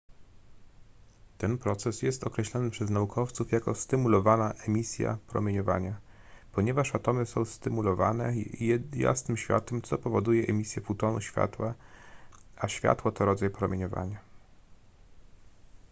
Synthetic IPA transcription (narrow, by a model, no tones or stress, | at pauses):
t̪ɛnpɾɔt̪sɛsjɛst̪ɔkɾɛɕlɔnɘpʂɛznaukʰɔft̪sufjakɔst̪ɘmulɔvanaʔɛmʲisʲja̰pɾɔ̰mʲjeɲɔva̰ɲa | pɔɲɛvaʂat̪ɔmɘsɔ̃w̃st̪ɘmulɔvanɛja̰snɘmɕfʲja̰t̪ɛmt̪sɔpɔvɔd̪ujɛʔɛmʲisʲjɛfut̪ɔnuɕfʲja̰t̪wa | aɕfʲja̰t̪wɔt̪ɔɾɔd̪zajpɾɔmʲjeɲɔva̰ɲa